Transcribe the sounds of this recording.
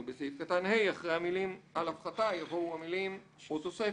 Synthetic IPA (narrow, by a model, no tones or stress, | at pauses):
besitkatanɦejaχʁejhamilimalafχatajavo̞uamilim | ot̪ose